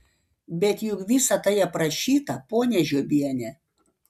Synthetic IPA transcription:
bʲɛt̪jʊkʋʲɪsɐt̪ɐjɛpɾɐʃʲiːt̪ɐpoːnʲɛʒʲoːbʲiɛnʲɛ

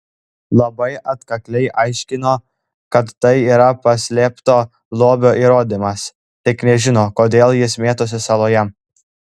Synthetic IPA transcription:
lˠɐbɐɪʔɐt̪kɐklʲɛɪʔɑɪʃʲkʲɪnoː | kɐt̪ːɐɪiːɾɐpɐsʲlʲeːpt̪oː | lˠoːbʲoːʔiːɾoːd̪ʲimɐs | t̪ʲɪknʲɛʒʲɪnoːkoːd̪ʲeːlˠjɪsmʲeːt̪os̬ʲɪsɐlˠoːjɛ

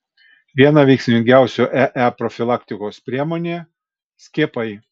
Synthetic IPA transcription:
ʋʲiɛnɑˑʋʲɛɪksʲɪmʲɪŋʲɡʲæˑʊsʲoːʔæʔæpɾɔfʲɪlˠɑːkt̪ʲɪkoːspʲɾʲiɛmoːnʲeː | sʲkʲiːpɐɪ

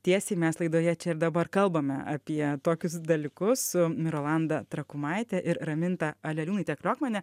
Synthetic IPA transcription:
t̪ʲiɛsʲɛɪmʲɛslˠɐɪd̪oːjɛt͡ʃʲɛɪɾd̪ɐbɐrkɐlˠbɐmʲɛɐ̰pʲiɛt̪oːkʲʊsd̪ɐlʲɪkʊsʊmʲɪɾoːlˠɐnd̪ɐt̪ɾɐkʊmɐɪt̪ʲɛʔɪɾɾɐmʲɪnt̪ɐɐlʲɛlʲuːnɐɪt̪ʲɛklʲoːkmʲɛnʲɛ

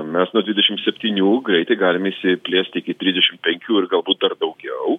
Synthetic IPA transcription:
mʲɛsnuɔd̪ʲʋʲɪd̪ʲɛʃʲɪmtsʲɛpʲt̪ʲiːnʲuːɡrɛɪt̪ɛɪɡɑːlʲɪmɪsʲɪpʲlʲeːsʲt̪ʲɪkʲɪt̪ʲɾʲizdʲɛʃʲɪmt̪̚pʲɛŋʲkʲuːɪrɡɐlˠbuːt̪̚d̪ɐrd̪ɐʊɡʲɛʊ

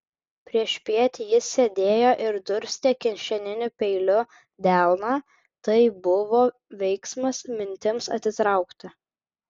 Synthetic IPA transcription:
pʲɾʲiɛʃʲpʲiɛt̪ʲjɪsʲed̪ʲeːjoːʔɪɾd̪ʊɾʲsʲt̪ʲiːkʲɪnʲʃʲɛnʲɪnʲʊpʲɛɪlʲʊ | d̪ʲælˠnɑː | t̪ɐɪbʊʋoː | ʋʲɛɪksmɐsmʲɪnʲt̪ʲɪmsɐ̰t̪ʲsʲɪt̪ɾɐˑʊkt̪ʲɐ

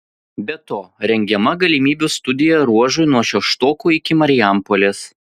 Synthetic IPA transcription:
bʲɛt̪oːɾʲɛŋʲɡʲɛmɐɡɐlʲimʲiːbʲust̪ʊd̪ʲɪjɛɾuɔʒʊɪnuɔʃʲɛʃt̪oːkuːɪkʲɪmɐɾʲɪjæˑmpɔlʲeːs

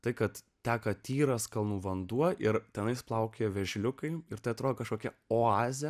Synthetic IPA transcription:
t̪ɐɪkɐt̪ | t̪ʲæːkɐt̪ʲiːɾɐskɐlˠnuːʋɐnd̪uɔʔɪɾt̪ʲɛnɐɪsplˠɐʊkʲeːɛʋʲɛʒʲlʲʊkɐɪɪɾt̪ɐɪɐt̪ɾoːd̪okɐʃkoːkʲɛoːɑːzʲɛ

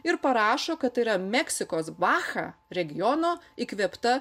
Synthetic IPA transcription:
ɪɾpɐɾɑːʃoːkɐt̪̚t̪ːɐɪɾɐmʲɛksʲɪkoːsbɑːxɑ̰ːɾʲɛɡʲɪjɔːnoːikʋʲɛpt̪ɐ

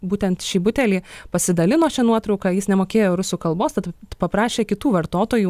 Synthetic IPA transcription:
buːt̪ʲɛnt̪ʃʲiːbʊt̪ʲɛlʲiːpɐsʲɪd̪ɐlʲɪnoːt͡ʃʲɛnuɔt̪ɾɐʊkɑjɪsnʲɛmoːkʲeːjoːɾʊsʲuːkɐlˠboːst̪ɐt̪pɐpɾɑːʃʲeːkʲɪt̪uːʋɐɾt̪oːt̪oːjuː

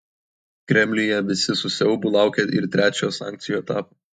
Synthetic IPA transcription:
kɾʲɛmʲlʲɪjɛʋʲɪsʲɪsʊsʲɛʊbʊlˠɑˑʊkʲɛʔɪ̰ɾt̪ʲɾʲæːt͡ʃʲoːsɑ̰ːŋʲk̪̚sʲɪjuːɛt̪ɑːpo

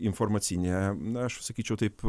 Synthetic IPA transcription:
ɪnfɔɾmɐt̪sʲinʲeɐʃsɐkʲiːt͡ʃʲɛʊt̪ɐɪp

